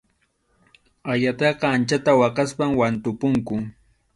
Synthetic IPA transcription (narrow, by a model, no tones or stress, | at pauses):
aʎat̪ɑqɑːnt͡ʃat̪awɑqɑspamwant̪ʊpʊŋkʊ